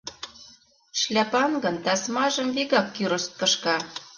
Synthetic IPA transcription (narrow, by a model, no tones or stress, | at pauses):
ʃlʲæpɑnɡɤ̆nt̪ɑsmɑʒə̆mviɣɑkːyɾɤst̪̚kə̆ʃkɑ